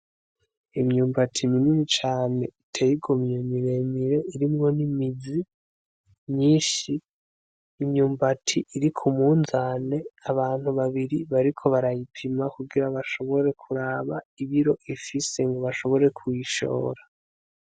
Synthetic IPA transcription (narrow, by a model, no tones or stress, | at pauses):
imɲuːmbatʰimininit͡ʃaːne̞itʰejiɡomɲemiɾe̞miɾe̞ʔiɾimŋo̞nimizi | mɲiːnʃiː | mɲuːmbatʰiʔiɾikʰumuːnzane̞aβaːn̥huβaβiɾiβaɾikʰo̞βaɾajipʰimakuɡiɾaβaʃo̞βo̞ɾe̞kʰuɾaːβaiβiɾo̞ʔifise̞ŋɡo̞βaʃo̞βo̞ɾe̞kʰwiʃo̞̰ːɾa